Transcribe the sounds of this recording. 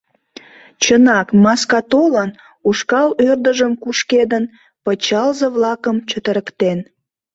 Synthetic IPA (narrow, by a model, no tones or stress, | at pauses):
t͡ɕənɑkmɑskɑt̪olən | uʃkɑlørd̪əʒəmkuʃked̪ən | pət͡ɕɑlzəβlɑkəmt͡ɕət̪əɾəkt̪en